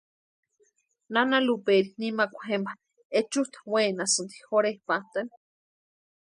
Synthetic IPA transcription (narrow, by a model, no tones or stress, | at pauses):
nanalupeɾinimakʷḁhemba | et͡ʃuht̪wenasɨnt̪i̥hoɾehpaht̪an